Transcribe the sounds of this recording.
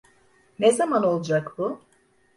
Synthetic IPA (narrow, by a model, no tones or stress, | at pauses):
nezamano̞lˠd͡ʒakbʊ